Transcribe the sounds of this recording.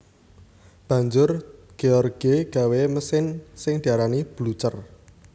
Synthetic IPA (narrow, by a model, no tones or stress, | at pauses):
b̥ä̤ɲd͡ʒʊrɡ̥eɔrɡ̥eɡ̥a̤weməsɪnsɪŋd̪̥iaɾanib̥lut͡ʃər